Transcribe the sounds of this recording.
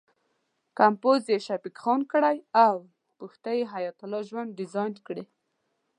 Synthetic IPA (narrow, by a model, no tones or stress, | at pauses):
kampozjeʃapikxɑnkɽajaw | puxt̪ajeɦajɔt̪ʊlɑʒwand̪̚ɖɪzɑjnkɽe